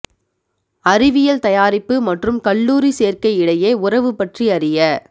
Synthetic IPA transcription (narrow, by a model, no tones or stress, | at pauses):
ɐrɪʋɪjɐlt̪ɐjaːɾɪpːɯmɐʈrɯmkɐɭːuːɾiseːrkɐɪɪɽɐjeːʊrɐʋɯpːɐʈriɐrɪjɐ